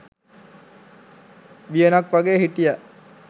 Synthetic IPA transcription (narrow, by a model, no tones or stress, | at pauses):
ʋijənakʋaɡeːɦiʈijæʔ